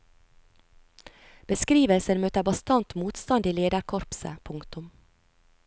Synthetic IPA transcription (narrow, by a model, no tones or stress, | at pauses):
b̥əskɾiːʋəlsəɾmøːt̪əbɑst̪ɑnt̪muːt̪st̪ɑnd̪ɪleːd̪ɑɾkʰɔɾpsə̰pʰʊŋkt̪ʊm